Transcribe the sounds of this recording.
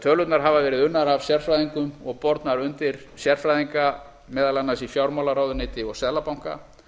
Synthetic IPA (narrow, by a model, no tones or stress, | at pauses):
t̪ʰœlʏt̪naɾ̥ɦavavɛːɾɪðʏnːaɾav̥sjɛr̥fɾajðiŋkʏmɔɣpɔɾt̪naɾʏnt̪ɪɾ̥sjɛr̥fɾajðiŋka | mɛːðalanːasifjawɾmawlaɾaːwðʏnɪːt̪ɪɔɣsɛðlapawŋ̥ka̰